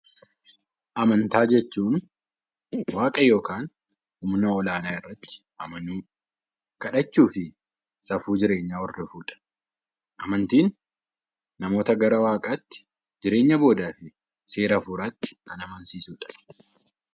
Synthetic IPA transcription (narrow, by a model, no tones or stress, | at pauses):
ʔɐmɐnt̪aːd͡ʒɛt͡ʃːuːn | waːkʼɐjo̞ːkaːn | hʊmnɐɔlaːnaːɪrːɐt̪ːɪ̥ | ʔɐmɐnuː | kɐᶑɐt͡ʃːuːfɪ | sɐfuːd͡ʒɪɾe̞ːɲːaːɔɾd̪ɔfuːᶑɐ̥ | ʔɐmɐnt̪iːnː | ɐmo̞ːt̪ɐɡɐɾɐwaːkʼat̪ːɪ̥ | d͡ʒɪɾe̞ːɲːɐbo̞ːd̪aːfɪ | se̞ːɾɐfuːɾaːt̪ːɪ̥kɐnɐmɐnsiːsuːᶑɐ̥